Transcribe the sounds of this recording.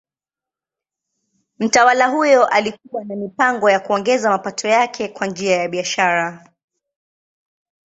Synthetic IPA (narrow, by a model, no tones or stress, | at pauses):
m̩tawalaɦujɔʔalikuwanamipaŋɡɔjakuɔŋɡɛzamapatʰɔjakʰɛkwand͡ʒiajaɓiaʃaɾa